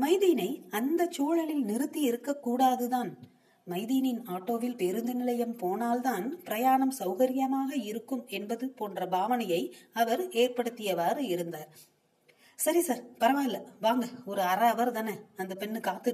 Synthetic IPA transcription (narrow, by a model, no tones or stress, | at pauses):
mɐɪðijnɐɪɐnd̪ɐt͡ʃːuːɻɐɭɪlnɪɾɯt̪ːiɪɾɯkːɐkːuːɽaːðɯðaːn | mɐɪðinɪnaːʈːoːʋɪlpɛɾɯnd̪ɯnɪlɐjɐmpoːnaːlt̪aːnpɪɾɐjaːɳɐmsɐʊɣɐɾɪjɐmaːɣɐɪɾɯkːɯmɛnbɐðɯpoːndrɐbʱaːʋɐnɐjɐɪɐʋɐɾeːrpɐɽɯt̪ːɪjɐʋaːɾɯɪɾɯnd̪aːɾ | sɐɾisaːɾpɐɾɐʋaːɪlːɐʋaːŋɡɐɔɾɯɐɾɐɐʋɐɾt̪ɐnɐɐnd̪ɐpɛnːɯkaːt̪ːɯ